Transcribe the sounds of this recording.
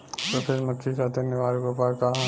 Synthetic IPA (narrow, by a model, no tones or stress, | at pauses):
t̪opʰɪɾmɐkʰːikad̪ʱɐnɪʋaːɾkopakã